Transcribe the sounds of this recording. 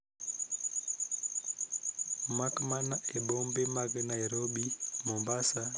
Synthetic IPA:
makmanaebombemaɡnaiɾobimombasa

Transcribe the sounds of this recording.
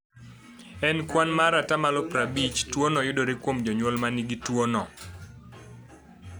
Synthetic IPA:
ɛnkwanmaɾatamalɔpɾabit͡ʃtwɔnɔjʊdoɾekwomd͡ʒɔɲwɔlmaniɡitwɔnɔ

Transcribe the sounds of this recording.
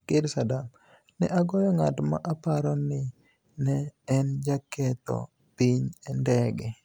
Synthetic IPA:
kɪɾsadam | nɛʔaɡɔjɔŋatma̰ʔapaɾɔnɪ | nɛːnd͡ʒakɛt̪ɔ̰ | piɲɛndɛɡɛ

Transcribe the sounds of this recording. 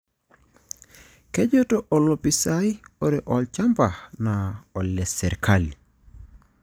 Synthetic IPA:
keɟotoʔolopisajoɾeʔɔlt͡ʃampanaɔlːɛseɾkʰali

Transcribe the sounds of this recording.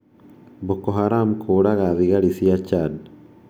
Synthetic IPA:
bokːoɦaɾaːmkʰoːɽaɡaðiɡaɽisijat͡ʃːad

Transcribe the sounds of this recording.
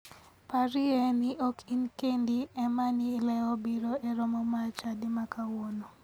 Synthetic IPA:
paɾiɛnɪʔokʰinkendiɛmanilɛɔbiɾoɛɾɔmɔmat͡ʃadɪmakawono

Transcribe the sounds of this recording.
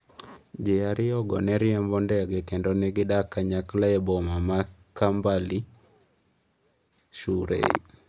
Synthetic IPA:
d͡ʒɛaɾɪɔɡɔnɛɾɪɛmbɔndɛɡɛkendonɛɡɪdakaɲaklaɛbɔmamakambali | ʃuɾḛḭ

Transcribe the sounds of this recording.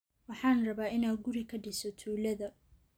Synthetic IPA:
wɑħɑːnrɐβaːɪnaːɡʊɾɪkʰɐɖɪsɔt̪ʰuːlɐðɐ

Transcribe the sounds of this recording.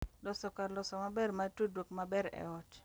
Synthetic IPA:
lɔsɔkalɔsɔmabɛrmatudwokmabɛɾɛ̰ɔt͡ʃ

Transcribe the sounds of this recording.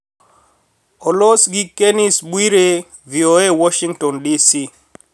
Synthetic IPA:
ɔlosɡikenisɓwiɾe | vioewɔʃiŋtɔndisi

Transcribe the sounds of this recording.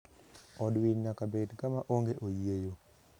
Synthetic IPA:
ɔdwiɲːakabedɡamaʔoŋɡeʔojiejo

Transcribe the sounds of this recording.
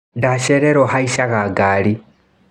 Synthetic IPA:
daʃeɾeɾoxaiʃaɣaɡaːli

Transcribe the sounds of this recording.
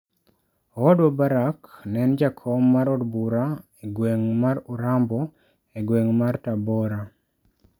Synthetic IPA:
wɔdɔbaɾaknɛnd͡ʒakʰɔmːaɾɔdbuɾaeɡweŋmaɾʊɾambɔ | eɡweŋmartabɔɾa

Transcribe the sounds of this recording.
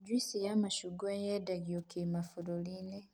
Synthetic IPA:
ɟwisijamaʃuɡwejedaɡiokemafuɾoline

